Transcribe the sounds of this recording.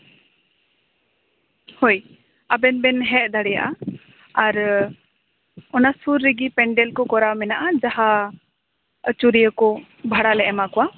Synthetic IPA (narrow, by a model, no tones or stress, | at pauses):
hoj | abɛnbɛnɦɛʔ̚d̪ʱaɽɛja̰ʔa | aɾ | ɔnasuɾːiɡipɛɳɖɛlkɔkɔɾamɛnaʔad͡ʒaɦa | ət͡ʃuɾijəkɔ | bʱaɽalɛʔɛmakɔwa